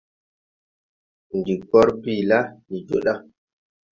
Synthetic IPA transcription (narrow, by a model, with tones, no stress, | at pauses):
n˨di˨kɔ˦ɾbi˦˨la˦ni˨d͡ʒo̰˨ɗa˦